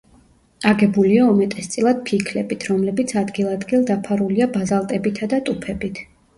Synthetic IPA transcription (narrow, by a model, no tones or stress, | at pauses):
aɡɛbuliaumɛt̪ʼɛst̪sʼilˠad̪̥̚pʰikʰlɛbit̪ʰɾɔmlɛbit̪sʰad̪ɡilˠad̪ɡilˠd̪apʰaɾuliabazalˠt̪ʼɛbit̪ʰad̪at̪ʼupʰɛbit̪ʰ